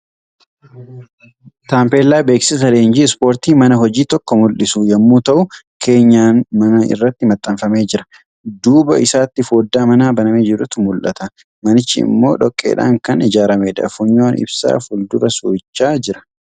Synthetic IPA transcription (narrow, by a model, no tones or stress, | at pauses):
t̪aːmpe̞ːlːaːbeːksɪs̬ɐleːnd͡ʒiːɪspo̞ːɾt̪iːmɐnɐɦɔd͡ʒiːt̪ɔkːɔmʊlʔɪsujɐmːuːt̪ɐʔʊkʰe̞ːɲːaːnmɐnɐɪ̰rːɐt̪ːɪmɐt̪ʼːɐɱfɐmeːd͡ʒɪɾɐ̥ | d̪uːbɐʔɪsaːt̪ːɪfoːd̪ːaːmɐnaːbɐnɐmeːd͡ʒɛdʊt̪ʊmʊlʔɐ̰t̪ɐ | mɐnɪt͡ʃːɪɪ̰mːo̞ːᶑɔkʼːḛːᶑa̰ːŋkɐnɪd͡ʒaːɾɐmeːᶑɐ̰fʊɲːo̞ːnɪ̰bsa̰ːfʊld̪ʊɾɐsuːɪt͡ʃːaːd͡ʒɪɾɐ̥